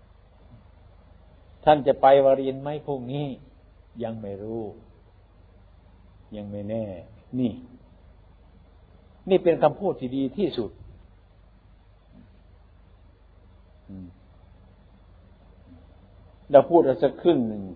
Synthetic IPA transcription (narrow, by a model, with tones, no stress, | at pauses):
t̪ʰa˧˥˨nt͡ɕa˧˨pa˧jʋaː˧ɾi˧ə˨nma˧˥˨jpʰo˧˩˨ŋ̚niː˧˥˨ | ja˧ŋma˧˩jɾuː˧˥˩ | ja˧˩ŋma˧˥˩jnɛː˧˩niː˧˩ | niː˧˥˩pe˧nkʰa˧mpʰuː˧˥˩t̪ʰːiː˧diː˧t̪ʰiː˧˩su˨˩t̪̚ | lɛː˧˩pʰuː˧˩t̪̚ʔa˧˩sa˧kʰɯ˧˩˨nːɯ˨˩ŋ